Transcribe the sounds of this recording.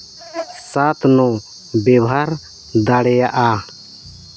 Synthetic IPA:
sat̪nɔ | bɛbɦaɾ | d̪aɽɛjaʔa

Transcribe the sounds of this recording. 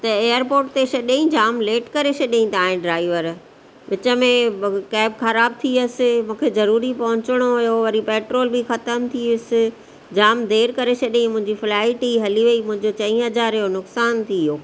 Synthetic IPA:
t̪ɐeːəɾpoːɾʈt̪eʃɐɗĩd͡ʑaːmleːʈkɐɾeɕʰɐɗiĩt̪ʰaːɦɪ̃ɖɾaːɪʋəɾ | ʋɪt͡ɕə̆mẽkɛːbxɐɾaːb̚t̪ʰiʊsɪ̆mũːkʰezɐɾuːɾipɐɦʊ̃ɲt͡ɕɪɽ̃oɦʊjoʋɐɾipeːʈɾoːlbʱixɐt̪əmt̪ʰiʊsɪ̆ | d͡ʑaːmd̪ʱeːɾkɐɾeɕʰɐɗĩmʊ̃ɦɪ̃ɲd͡ʑifɪlaːɪʈiɦɐliʋeimʊ̃ɦɪ̃ɲd͡ʑot͡ɕɐ̃ĩːɦɐzaːɾjonʊksaːnt̪ʰioː

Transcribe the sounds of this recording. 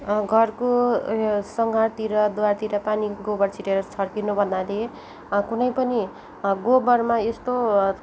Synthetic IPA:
ɡʱʌrko | sʌŋɡʱart̪iɾʌd̪uwart̪iɾʌpaniɡobʌrt͡sʰiʈeɾʌt͡sʰʌrkinobʱʌnd̪ale | kunʌjpʌni | ɡobʌrmaest̪o

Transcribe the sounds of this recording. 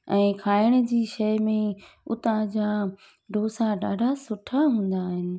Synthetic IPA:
ɛ̃ːkʰaːɪɽ̃ə̆d͡ʑiːʃɐmẽʊt̪ãd͡ʑaː | ɖʱoːsaɖaːɖʱasʊʈʰaɦũːn̆d̪aːɦɪnɪ̆

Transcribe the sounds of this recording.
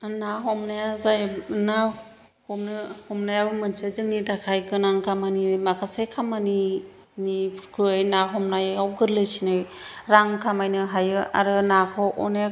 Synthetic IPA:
naɦɔmnajazajna | hɔmnɯhɔmnajabmɯnsazɯŋnidakʰajkʰɯnaŋkʰamanimakʰasejkʰamani | nipʰɾkʰɯajnaɦɔmnajawɡɯɾlɯjsinɯj | ɾaŋkʰamajnɯɦajɯa̰ɾɯnakʰɔʔɔne

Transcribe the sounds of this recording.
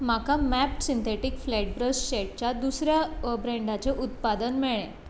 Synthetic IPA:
makamæpsint̪ʰeʈikflɛʈ̚bɾəsɕeʈ̚t͡ɕjad̪usɾjabɾẽɳɖat͡seʔut̪̚pad̪ənmeɭẽ

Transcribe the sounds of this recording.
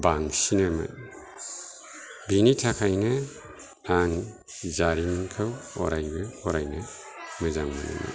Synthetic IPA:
baŋsinamɐ̰t | binitʰakʰajnɐ | aŋ | zaɾinkʰɯwɔ̰ɾajbɯɔɾajna | mɯzaŋmana̰mɐ̰

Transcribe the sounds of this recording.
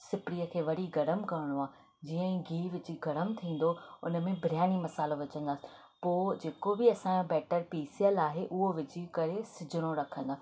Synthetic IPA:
sɪpɽiːəkʰeːʋɐɽiɡɐɾəmkɐɾɪɽ̃oaː | d͡ʑiːə̃ɡʱiːʋɪt͡ɕiɡɐɾəmt̪ʰĩːn̆d̪oʊ̰nəmẽbʱɾɪjaːɽ̃imɐsaːloʋɪt͡ɕə̃nd̪aːsɪ̥ | poːd͡ʑeːkobɪɐsãːjõbɛːʈəɾpiːsijəlaːɦeʔʊɦoʋɪd͡ʑikɐɾesɪd͡ʑʱɪɽ̃oɾɐkʰə̃nd̪aː

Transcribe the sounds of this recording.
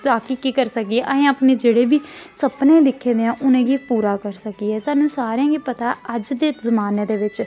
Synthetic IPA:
t̪aːkiːkiːkəɾsəkiɛːʔəɦẽːaːpneːd͡ʒeːɽeːʋiːsəpnẽːd̪ɪkʰːẽːd̪eãːʔʊnẽːɡiːpuːɾaːkəɾsəkiːɛːsaːnũːsaːɾeãːɡiːpət̪aːəd͡ʒd̪eːzəmaːneːd̪eːʋɪt͡ʃ

